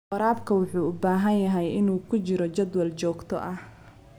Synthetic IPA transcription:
qɑɾaːbkʰɐwʊħuːʊbaːɦɐnjɐɦɛjɪnuːkʰʊt͡ʃɪɾɔt͡ʃɐd̪wɐlt͡ʃɔːɡt̪ʰɔ̰ʔɐh

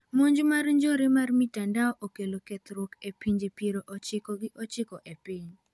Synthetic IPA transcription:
moɲd͡ʒmarɲd͡ʒoɾɪmarmitandaɔʔokeloket̪ɾwokepiɲd͡ʒepiɾoʔɔt͡ʃɪkɔɡɪʔɔt͡ʃɪkɔʔepiɲ

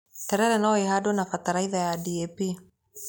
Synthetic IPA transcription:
tɛɾɛɾɛnaɔeɦadonakataɾaiðajadiepi

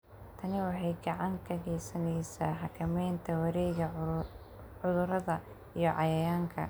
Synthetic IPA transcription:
t̪ʰɐnɪwɑħɑjɡɑʕɑŋkʰɐɣɛjsɐnɛjsaːħɑkʰɐmɛjnt̪ʰɐwɐɾɛjɣɐ | ʕʊðʊɾɐðɐ | ijɞʕɑjɐjaːŋkʰɐ̰

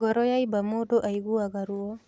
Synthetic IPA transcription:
ɡɔɾɔjaibamodoʔaiɡuaɡaɾuɔ

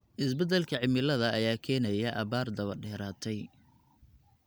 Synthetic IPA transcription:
ʔɪsbɛd̪ɛlkʰɐʕɪmɪlɐðɐːjaːkʰɛːnɐjɐʔɐβaːrd̪ɐβɐɖɛːɾaːt̪ʰɛj

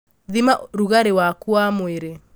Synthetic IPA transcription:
ðimaɾuɣaɾewakuamweɾe

